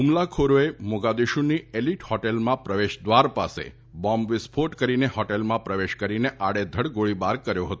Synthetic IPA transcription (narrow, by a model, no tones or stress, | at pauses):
ɦumlakʰoɾoemoɡad̪iʃunieliʈhɔʈelmãpɾəʋeʃd̪ʋaɾpasḛ | bɔmʋɪspʰoʈkəɾinehɔʈelmãpɾəʋeʃkəɾineʔaɽed̪ʱəɽɡoɭibaɾkəɾjoɦət̪o